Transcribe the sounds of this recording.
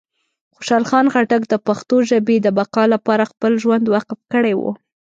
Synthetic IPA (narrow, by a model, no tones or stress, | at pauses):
xoʃɑlxɑnxaʈakd̪əpaxt̪oʒabed̪əbaqɑlapɑɾaxpəlʒwand̪wɑqɪfkəɽewṵ